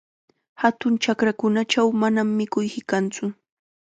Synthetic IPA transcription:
hat̪ʊnt͡ʃakɾakʊnat͡ʃawmanamːɪkʊjkɪkant͡sʊ

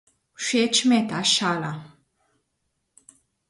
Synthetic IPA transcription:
ʃet͡ʃmɛt̪aʃala

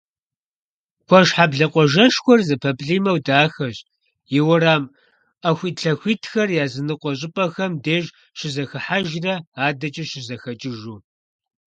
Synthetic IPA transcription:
kʷʰɔʒħabɮɐqʷɔʒɐʂxʷɔrzɨpʰɐpɬiːmɐwdaːxɐɕ | jɪwɐɾaːm | ɐxʷiːtɬɐxʷiːtʰxɐrjaːzɨnɨqʷɔɕ̬ʼɪpʼɐxɐmdeːʒ | ɕɪzɐxɐħaʒrɐaːdɐt͡ʃʼɪɕɪzɐxɐt͡ʃʼɪʒuː

